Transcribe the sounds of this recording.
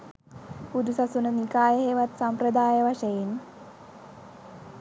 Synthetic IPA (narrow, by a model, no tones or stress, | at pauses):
pud̪usasunənikaːjəɦeːʋat̪sampɾəd̪aːjəʋaʃɐjen